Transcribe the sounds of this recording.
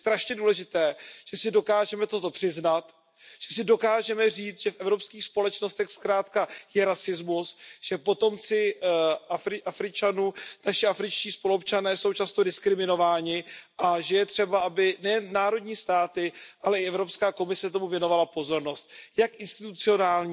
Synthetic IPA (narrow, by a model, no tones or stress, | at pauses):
st̪ɾaʃɲɛduːlɛʒɪt̪ɛːʒ̥ɛsɪdo̞kaːʒɛmɛt̪o̞t̪o̞pr̥ɪznat̪ | ʒ̥ɛsɪdo̞kaːʒɛmɛriːt͡sʒ̥ɛfʔɛvɾo̞pskiːxspo̞lɛt͡ʃno̞st̪ɛxskɾaːt̪kajɛɾasɪzmusʒ̥ɛpo̞t̪o̞mt͡sɪʔafɾɪʔafɾɪt͡ʃanuːnaʃɪʔafɾɪt͡ʃciːspoluopt͡ʃanɛːso̞wt͡ʃast̪o̞dɪskɾɪmɪno̞vaːɲɪʔaʒɛjɛt̪r̝̥ɛbaʔabɪnɛjɛnːaːɾo̞dɲiːst̪aːt̪ɪʔalɛɪɛvɾo̞pskaːko̞mɪsɛt̪o̞muvjɛno̞valapo̞zo̞ɾno̞st̪̚jakʔɪnst̪ɪt̪ut͡sɪo̞naːlɲ